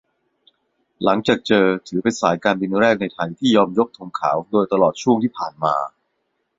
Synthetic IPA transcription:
la˩˦ŋt͡ɕaː˨˩k̚t͡ɕɤː˧t̪ʰɯː˩˦pe˧nsaː˩˦jkaː˧nbi˧nɾɛː˥˩k̚na˧jt̪ʰa˧jt̪ʰiː˥˩jɔː˧mjo˦˥k̚t̪ʰu˧ŋkʰa̰ː˩˦wdoː˧jt̪a˧lɔː˨˩t̪̚t͡ɕʰu˥˩əŋt̪ʰiː˥˩pʰaː˨˩nma̰ː˧

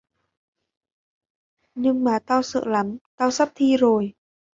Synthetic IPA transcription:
ɲɨ˧ŋmaː˨˩t̪aː˧wsɨ̰ː˧˨la˨˦mt̪aː˧wsa˦˥p̚t̪ʰi˧zo˨˩j

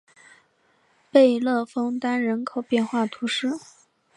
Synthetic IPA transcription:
pe˥˧ɪlɤ˥˩fɤ˥ŋt̪a˥nɻə˧˥nkʰo˨˩ʊpjɛ˥˧nxwa˥˩t̪ʰu˧˥ʂɻ̩˥

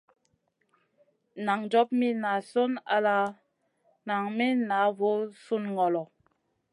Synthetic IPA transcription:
na˨ŋd͡ʒɔ˦p̚mi˦na˨so˦na̰˦la˦ | na˨ŋmi˦na˨˦vo˦su˦nŋɔ˨lɔ˨

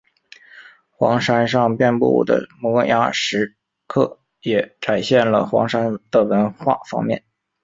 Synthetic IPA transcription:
xwɑ̰˧˥ŋʂa˥nʂ̬ɑ˥˧ŋpjɛ˥˧npṵ˥˩d̪ə̰˨˩mɔ˧˥kŋja˥ʂɻ̩˧˥ | kʰɤ˥˩ | jɛ˨˩ʈ͡ʂa˨˩nɕjɛ˥˩nlə˩xwɑ̰˧˥ŋʂa˥nt̪ə˨˩wə˧˥nxwa̰˥˩fɑ̰˥ŋmjɛ̰˥˩n

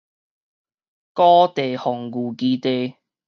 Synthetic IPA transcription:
kɔː˥t̪e˨˩hɔ˨˩ŋkuː˨˩kiː˧t̪e˧j

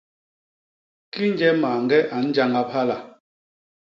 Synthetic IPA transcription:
ki˦n̩˦d͡ʒɛ˦maː˨ŋ̩˦ɡɛ˦ʔa˨n̩˦d͡ʒa˦ŋa˦p̚ha˦la˨

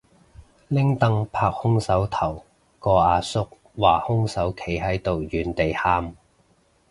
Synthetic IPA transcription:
lɪ˥ŋt̪ɐ˥˧ŋpʰaː˧k̚hʊ˥ŋsɐ˨˥wt̪ʰɐ˨˩w | kɔː˧aː˨˧sʊ˥k̚ | waː˨˩hʊ˥ŋsɐ˨˥wkʰe˨˥jɦɐ˨˥jt̪o˨wjyː˨nt̪e˨jhaː˧m

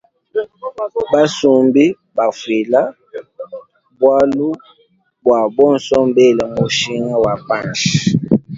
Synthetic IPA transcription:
ba˦su˨mbi˦ | ba˨fwi˨la˦ | bwa˦lu˦ | bwa˨bɔ˦n̩˨sɔ˦m̩˦be˦˨lɛ˨mo˨ʃi˦ŋa˦wa˨pa˦˨nʃi˨

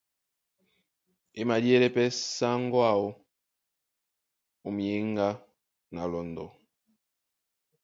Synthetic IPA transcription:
e˦ma˨di˦ɛ˦ɾɛ˦pɛ˦sa˦ŋ˦ɡwa˦˨o˦ | u˨mi˨e˦ŋɡa˦ | na˨lɔ˨ndɔ˨

